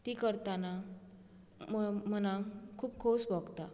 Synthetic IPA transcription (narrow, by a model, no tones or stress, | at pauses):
t̪ikəɾt̪ana | mmənakʰuːb̚kʰosbɔɡt̪a